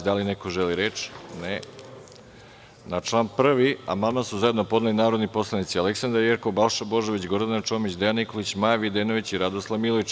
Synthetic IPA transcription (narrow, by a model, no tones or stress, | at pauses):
d̪alinekoʒeliɾet͡ʃne | nat͡ʃlˠaːnpr̩ʋia̰mamasuzaje̞d̪no̞pod̪nalinaːɾo̞d̪nipo̞slˠanit̪sialeksand̪aɾjeɾkobalˠʃabo̞ʒeʋit͡ɕɡo̞ɾd̪anat͡ʃo̞ːmit͡ɕd̪ejanːikolit͡ɕmajaʋid̪eːnoʋit͡ɕiɾad̪oslˠaʋmilˠoʋit͡ʃ